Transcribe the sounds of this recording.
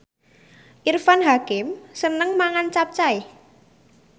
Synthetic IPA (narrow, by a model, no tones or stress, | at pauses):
ʔirfanɦakɪmsənəŋmaŋant͡ʃap̚t͡ʃai